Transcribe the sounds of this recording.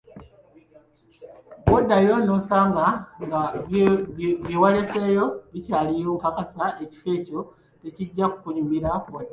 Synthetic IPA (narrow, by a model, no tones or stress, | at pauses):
βodajo̞nosaːŋɡaŋɡa | βjiwale̞se̞ːjo̞βicaːlijoːŋkakasae̞ci̥fe̞ːco̞ | teciɟːaku̥kuɲumiɾawoda